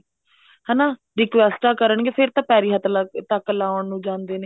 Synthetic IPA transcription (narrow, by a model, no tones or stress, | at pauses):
ɦɛːnaː | ɾɪkʋɛːsʈaːkəɾəɳɡeːfʰɪɾt̪ãːpɛːɾiːɦət̪lt̪əkːlaːəɳnũːd͡ʒãːnd̪eːneː